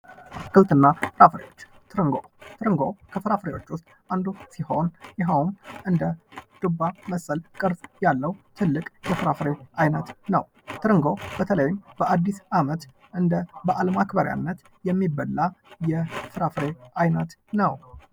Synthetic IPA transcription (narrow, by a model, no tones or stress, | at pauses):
kɨlt̪ɨnːafɨɾafɾewo̞t͡ʃːt̪ʰɨɾɨŋɡot̪ʰɨɾɨŋɡokʰəfɨɾafɨɾewo̞t͡ʃːʊst̪ʼʔand̪usiho̞njɪɦawmʔɨnd̪əd̪̥ɨbaməsʼəlkʼɨɾsʼjalːəwt̪ʰɨlːɨkʼjɛfɨɾafɨɾeʔajnət̪nəw | t̪ʰɨɾɨŋɡo̞b̥ət̪ʰələjɪmb̥əʔad̪ːisamət̪ | ʔɨnd̪əbəʔalmakbəɾja̰nːət̪ | jɛmːibːəlːajɛfɨɾafɨɾeʔajnət̪nəw